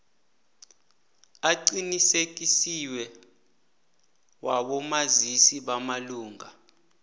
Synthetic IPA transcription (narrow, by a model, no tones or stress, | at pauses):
aǃinisek̬isiwɛ | waɓɔmazisiɓamaluːŋa